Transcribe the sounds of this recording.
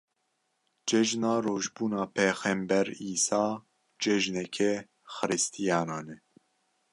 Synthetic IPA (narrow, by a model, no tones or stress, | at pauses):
d͡ʒɛʒnɑːroːʒbuːnɑːpʰeːxɛmbɛɾiːsɑː | d͡ʒɛʒnɛkʰɛ | xɨɾɨst̪ʰijɑːnɑːnɛ